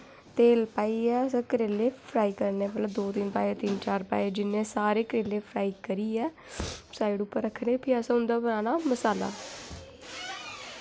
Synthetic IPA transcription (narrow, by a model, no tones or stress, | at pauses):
t̪eːlpaːiːɛːsãkəɾeːleːpʰɾaːiːkəɾneːmət̪ləbd̪oːt̪ɪnpaːiɛt̪ɪnt͡ʃaːɾpa̰ːid͡ʒɪnːẽːsaːɾeːkəɾeːleːpʰɾaːiːkəɾiːɛː | saːiɖʊpːəɾːəkʰːneːpʰiasãːɦʊ̃nd̪aːbəɾaːnaːməsaːla̰ː